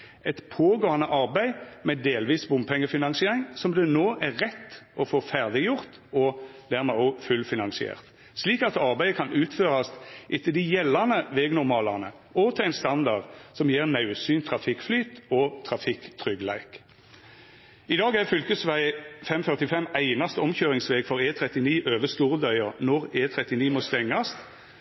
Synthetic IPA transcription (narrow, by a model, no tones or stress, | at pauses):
ɛt̪pʰoːɡoːɑnəʔɑʁbæɪmɛd̪eːlʋiːsbʊmpʰɛŋːəfɪnɑŋsɪeːʁɪŋsɔmd̪ɛnoːʔæʁːɛt̪ːʔɔfoːfæʁd̪ɪjʊʁt̪ | ɔd̪æʁmɛɔfʉlfɪnɑnsɪḛːʁt̪ | sliːkɑt̪ɑʁbæɪəkʰɑnʉːt̪føːʁɑst̪ʔɪt̪ʰːəd̪ɪjɛlːɑnəʋeːɡnʊʁmɑːlɑʁnə̰ | ɔt̪ʰɛæɪnst̪ɑnd̪ɑʁd̪sɔmjeːʁnɑʉsyːnt̪ʰʁɑfɪkflyːt̪ɔt̪ʰʁɑfɪkt̪ʰʁʏɡlæ̰ɪk | ɪd̪ɑːɡæʁfʏlkəsʋæɪfɛmfœʁt̪ɪfɛmæɪnɑst̪əɔmçøːʁɪŋsʋeːɡfɔʁeːt̪ʰʁɛt̪ɪniːʔøːʋəst̪uːʁəd̪œʏəʁnɔʁeːt̪ʰʁɛt̪ɪniːmɔst̪ɛŋːɑst̪